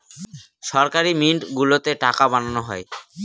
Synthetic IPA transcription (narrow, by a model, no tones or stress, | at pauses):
ʃɔɾkaɾimiɳʈɡulot̪eʈakabananoɦɔe